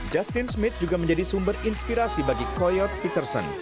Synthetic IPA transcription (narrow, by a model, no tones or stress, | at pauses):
d͡ʒast̪ɪnsmɪt̪̚d͡ʒuɡaməɲd͡ʒadisumbərinspiɾasibaɡikɔjɔt̪̚pit̪ərsə̰n